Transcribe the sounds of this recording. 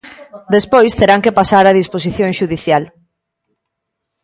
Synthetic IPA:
d̪espojst̪eɾaŋkepasaɾaðispos̬iθjõŋʃuðiθjal

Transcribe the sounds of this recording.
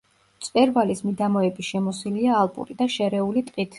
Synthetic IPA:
t̪sʼpʼɛɾvalismid̪amɔɛbiʃɛmɔsiliaːlˠpʼṵɾid̪aʃɛɾɛulit̪ʼqʼit̪ʰ

